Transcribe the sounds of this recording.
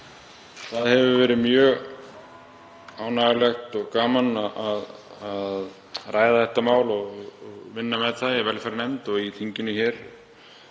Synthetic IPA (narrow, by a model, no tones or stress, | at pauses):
θaðhɛvʏvɛːɾɪmjœːɣ | aːwnaɣalɛxt̪ɔɣkaːmanaʔaðað | rʔaːjðaθɛht̪ːamaːwlɔɣɔɣvɪnːamɛðθaðɪvɛlfɛɾanɛmt̪ɔɣiθʰiɲcɪnʏçɛːɾ̥